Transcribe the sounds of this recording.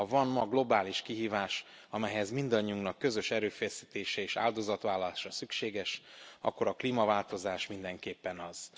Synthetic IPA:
ɒvɒnmɒɡlo̞baːliʃkiɦiːvaːʃ | ɒmɛɦɛzmind̪ɒɲːiuŋnɒkːø̞zø̞ʃɛɾøːfɛsiːt̪eːʃɛeːʃa̰ːld̪o̞zɒt̪ʋaːlːɒlaːʃɒsykʃeːɡɛʃɒ̰kːo̞ɾɒkliːmɒvaːlt̪o̞zaːʃmind̪ɛŋkeːpːɛnɒz̥

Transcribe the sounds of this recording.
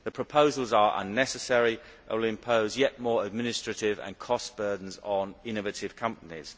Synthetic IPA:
ðəpʰɹ̥əpʰoʊzəlˠzəɹʔʌ̰̃nːɛsəsɛɹiʔə̰lɪ̃mpʰoʊzjɛʔmɔːɹəd̚mɪnɪstɹ̥ətɪvə̰̃nkʰɒsb̥ɜːdⁿn̩zn̩ɪ̃nəvətɪv̥kʰʌ̃mpənɪ̰z̥

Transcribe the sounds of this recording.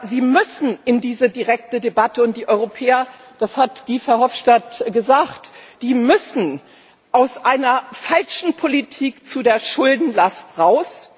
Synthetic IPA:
ziːmʏsn̩ɪndiːzədiʁɛk̚tədebatəʊnt̚d̥iːʔɔʏʁopʰɛːɐ | d̥ashatɡ̥iːfɛɐhɔfʃtatɡ̥əzaːktd̥iːmʏsn̩ | ʔaʊsʔaɪnɐfalʃn̩pʰolitʰiːkt͡sudeːɐʃʊldn̩lastʁaʊs

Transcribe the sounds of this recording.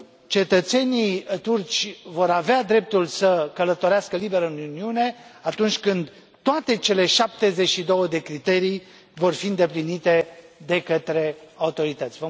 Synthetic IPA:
t͡ʃe̞t̪ət̪se̞nit̪urt͡ʃʲvo̞ɾavead̪ɾe̞p̚t̪ulsəkələt̪o̞ɾeaskəlibe̞ɾənuniune̞at̪unt͡ʃʲkɨnd̪ | t̪ːoat̪e̞t͡ʃe̞le̞ʃap̚t̪e̞zet͡ʃʲʃid̪o̞wəd̪e̞kɾit̪e̞ɾij | vo̞rfiɨnd̪eplinit̪e̞d̪e̞kət̪ɾe̞aut̪o̞ɾit̪ət̪sʲvə

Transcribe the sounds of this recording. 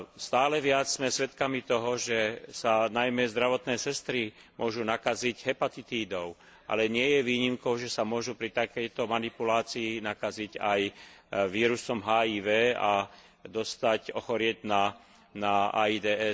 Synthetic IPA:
st̪aːlɛʋɪat͡sz̥mɛsʋɛt̪kamit̪ɔɦɔʒɛsanajmɛzd̪ɾaʋɔt̪nɛːsɛst̪ɾimʊɔʒunakaziɟɦɛpat̪it̪iːd̪ɔʊ | ʔa̰lɛɲɪɛjɛʋiːɲimkɔʊʒɛsamʊɔʒupɾit̪akɛjt̪ɔmanipulaːt͡siːnakaziɟa̰jʋiːɾusɔmɦaːiːʋɛːa | d̪ɔst̪acɔxɔɾɪɛɟna | naa̰id̪ɛːɛ

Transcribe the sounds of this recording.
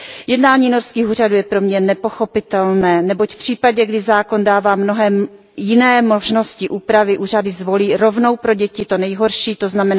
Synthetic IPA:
jɛdnaːɲiːnoɾskiːxuːr̝aduːjɛpɾomɲɛnɛpo̞xo̞pɪt̪ɛlnɛːnɛbo̞cfpr̝̥iːpaɟɛɡdɪzaːko̞ndaːvaːmno̞ɦɛm | jɪnɛːmo̞ʒno̞scɪʔuːpɾavɪʔuːr̝adɪzvo̞liːɾo̞vno̞wpɾo̞ɟɛcɪt̪o̞nɛjɦo̞ɾʃiːt̪o̞znamɛna

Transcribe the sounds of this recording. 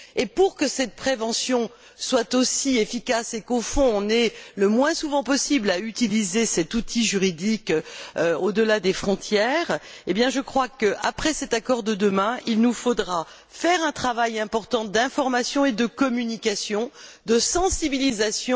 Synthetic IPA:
epuʁkəsɛt̪̚pχevɑ̃sjɔ̃ | swat̪osiefikasekofɔ̃ːnɛləmwɛ̃suvɑ̃pɔsiblayt̪ilizesɛt̪ut̪ʰiʒyʁid̪ikøod̪əlad̪efχɔ̃t̪jɛʁebjɛ̃ʒəkχwakəʔa̰pχɛsɛt̪akɔʁd̪əd̪əmɛ̃ilnufod̪ʁa | fɛʁɛ̃t̪χavajɛ̃pɔʁt̪ɑ̃d̪ɛ̃fɔʁmasjɔ̃ed̪əkɔmynikasjɔ̃d̪əsɑ̃sibilizasjɔ̃

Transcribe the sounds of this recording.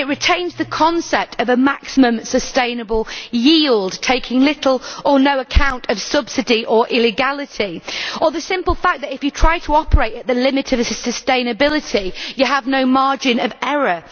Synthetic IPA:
ɪʔɹɪtʰẽɪ̃nzðəkʰɒ̃nsɛp̚tʰəvəmaksɪmə̃msəstẽɪ̃nəbəlˠjiːlˠdtʰeɪkʰɪ̃ŋlɪtʰˡl̩ˠənoʊəkʰãʊ̃ntəv̥sʌb̥sɪdiʔəɹʔɪlɪɡalɪtʰiəðəsɪ̃mpəlˠfak̚ðətɪfjətʰɹ̥aɪtʰəɒpʰəɹeɪtəʔðəlɪ̃mɪtʰəvəsəstẽɪ̃nəbɪlɪtʰijəəvnoʊmɑɹd͡ʒɪ̃nəvɛɹə

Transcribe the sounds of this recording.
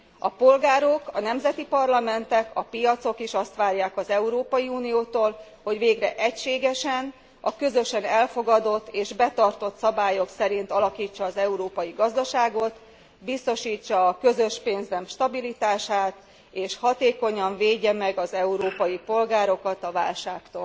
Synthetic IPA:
ɒ̰po̞lɡaːɾo̞kɒnɛmzɛt̪ipɒrlɒmɛnt̪ɛkɒpijɒt̪so̞kiʃɒst̪ʋaːrjaːkɒzɛuɾoːpɒjiuːnijoːt̪oːl | ho̞ɟʋeːɡrɛʔɛcʃeːɡɛʃɛn | ɒkø̞zø̞ʃɛnɛlfo̞ɡɒd̪o̞t̪ːeːʒbɛt̪ɒrt̪o̞t̪sɒbaːjo̞ksɛɾint̪ɒlɒkiːt͡ʃːɒːzɛuɾoːpɒjiɡɒzd̪ɒʃaːɡo̞t̪ | bist̪o̞ʃiːt͡ʃːɒːkø̞zøʃpeːnzɛmʃt̪ɒbilit̪aːʃaːt̪ | eːʃhɒt̪eːko̞ɲɒɱveːɟːɛmɛɡɒzɛuɾoːpɒjipo̞lɡaːɾo̞kɒt̪ɒva̰ːlʃaːkt̪oːl

